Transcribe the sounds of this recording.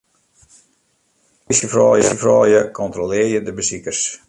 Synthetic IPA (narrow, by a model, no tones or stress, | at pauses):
isəfrɑːjəsəfrɑːjəkʰɔntrolɪərjədəbəsikərs